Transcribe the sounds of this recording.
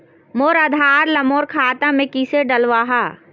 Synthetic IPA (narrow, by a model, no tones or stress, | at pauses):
moːɾɐd̪ʱaːɾlɐmoːɾkʰaːt̪amẽkiːseɖɐlʋaːɦaː